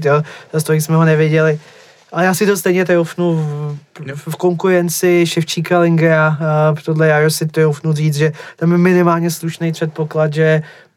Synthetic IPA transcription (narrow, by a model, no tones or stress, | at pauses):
t̪joːzast̪oɪksmɛɦonɛvjɪɟɛlɪ | ʔalɛjaːsɪt̪o̞st̪ɛjɲɛt̪̬ɾowfnu | fko̞ŋkuɾɛnt͡sɪʃɛft͡ʃiːkalɪŋɡɾat̪odlɛjaɾosɪt̪ɾowfnuriːt͡sʒɛt̪amjɛmɪnɪmaːlɲɛsluʃnejpr̥ɛt̪̚po̞klat̪ʒɛ